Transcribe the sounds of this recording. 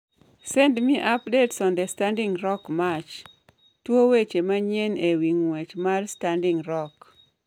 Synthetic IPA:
sendmiʔapdetsɔndɛstandɪŋɾɔkmat͡ʃ | twowet͡ʃemaɲenewiŋwet͡ʃmarstandɪŋɾɔk

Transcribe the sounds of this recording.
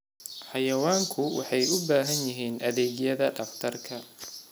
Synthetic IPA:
ħɑjɐwaːŋkʰʊwɑ̰ħɑjʊbaːɦɐnjɪɦiːnʔɐðɛːɣjɐðɐɖɐft̪ʰɐrkʰɐ

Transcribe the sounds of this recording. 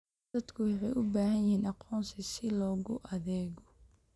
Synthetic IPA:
d̪ɐd̪kʰʊwɑħɑjʔʊbaːɦɐnjɪhiːnʔɑqʰɔːnsɪsɪlɔːɣʊ̰ʔɐðɛːɣɔ

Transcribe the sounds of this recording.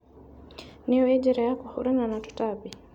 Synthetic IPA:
nijɔɛd͡ʒɛɾajakɔhuɾananatɔ̥tabi

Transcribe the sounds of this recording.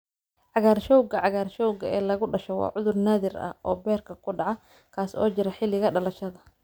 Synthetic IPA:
ʕɑɣaːrʃɔwɡɐʕɑɣaːrʃɔwɡɐɛːlɐɣʊɖɐʃɔwɑ̰ːʕʊðʊrnaːðɪrɐ̰hʔɔːbɛːrkʰɐkʰʊɖɑʕɑ | kʰaːsɔ̰ːt͡ʃɪɾɛħɪlɪɣɐɖɐlɐʃɐðɐ

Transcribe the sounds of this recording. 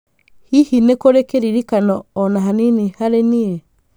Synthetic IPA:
hihinekoɾekeɾiɾikanɔːnaɦaninihaɾenie

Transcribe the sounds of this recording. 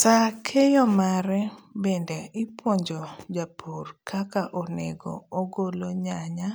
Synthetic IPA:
sakʰejɔmaɾɛbendɛɪpwoɲd͡ʒod͡ʒapʰorkʰakaʔonḛɡɔ̰oɡoloɲaɲa

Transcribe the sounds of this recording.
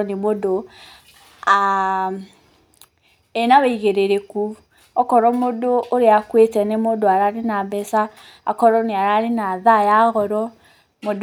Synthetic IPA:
nemodo | a | enawɛiɣeɾeɾeku | ɔkɔɾɔmodoʔoɾeakwetɛnemondoaɾaɾenabɛsa | a̰kɔɾɔneaɾaɾenaðajaɣɔɾɔ | mod

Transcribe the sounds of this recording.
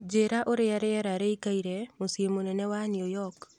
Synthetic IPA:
d͡ʒeɾaʔoɾɪjaɾɪjɛɾaɾeikaiɾemosjemonɛnɛwanɪojɔk

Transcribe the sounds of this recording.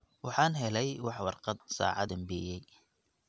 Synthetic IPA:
wɑħɑːnɦɛlɛjwɑħwɑrqɑd̪̚sɑ̰ːʕɑd̪ɐmbijɛj

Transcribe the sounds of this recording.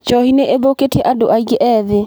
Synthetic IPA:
t͡ʃɔhineʔeðoketiɛʔado̰ʔaiɡeʔɛːðe

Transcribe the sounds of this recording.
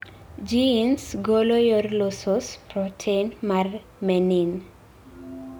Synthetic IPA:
d͡ʒiːnsɡolojorlosospɾɔtʰenmar | mɛnin

